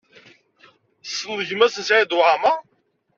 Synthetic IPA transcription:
sːənːəʝmæsənsʕid̪ʊʕama

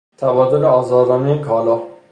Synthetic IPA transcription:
t̪ʰævɒːd̪oleɒːzɒːd̪ɒːmejekʰɒːlɒː

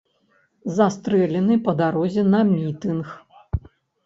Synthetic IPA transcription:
zast̪ɾɛlʲɛnɨpɐd̪aɾɔzʲɛnɐmʲit̪ɨnx

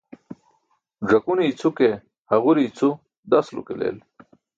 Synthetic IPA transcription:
ʐɐkuniːt͡sʰuke | hɐʁuɾiːt͡sʰu | d̪ɐslṵkelḛːl

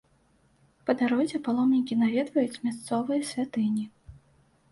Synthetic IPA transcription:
pɐd̪aɾɔzʲɛpalˠɔmnʲikʲinavʲɛd̪vɐjut͡sʲmʲast̪sɔvɐjɐsʲvʲat̪ɨnʲi

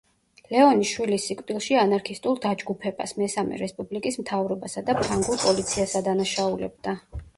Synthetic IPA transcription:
lɛɔniʃwilisːikʼd̪ʼilˠʃianaɾkʰist̪ʼulˠd̪ad͡ʒɡupʰɛb̥a̰smɛsamɛ̰ɾɛspʼublikʼismt̪ʰavɾɔbasad̪apʰaŋɡuɾpʼɔlit̪sʰiasad̪anaʃaulɛ̰b̚d̪a

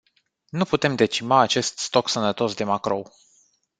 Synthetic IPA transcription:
nuput̪e̞md̪e̞t͡ʃimaːt͡ʃe̞st̪st̪o̞ksənət̪o̞sd̪e̞makɾo̞w

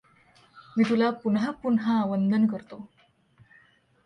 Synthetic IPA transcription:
mit̪ulapunɦapunɦaːʋənd̪ʱənkəɾt̪o

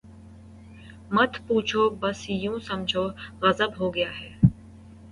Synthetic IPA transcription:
mɐt̪ʰpuːt͡ʃʰoːbɐsjũːsɐmd͡ʒʱoːɣɐzəbɦoːɡɐjaːɦɛː

